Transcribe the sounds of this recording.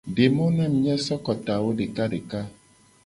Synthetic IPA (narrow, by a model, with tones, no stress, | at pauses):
ɖe˨mo˦nã˦mĩ˦jɛ˦sɔ˦kɔ˨t̪a˨wo˦ɖe˨ka˦ɖe˨ka˦